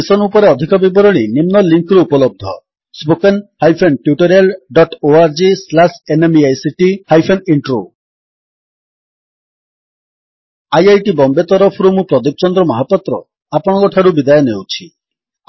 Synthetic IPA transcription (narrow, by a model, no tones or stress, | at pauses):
isɔnupɔɾeɔd̪ʱikɔbibɔɾɔɽ̃inimnɔliŋkɾuupɔlɔb̚d̪ʱɔ | spokenhajpʰenʈjuʈɔɾelɖɔʈoaɾd͡ʒislasenemiajsiʈihajpʰeniɳʈɾo | ajajʈibɔmbet̪ɔɾɔpʰɔɾumupɾɔd̪ip̚t͡ʃɔnd̪ɾɔmɔɦapɔt̪ɾɔ | apɔɽ̃ɔɡɔʈʰaɾubid̪ajɔnewt͡ʃʰi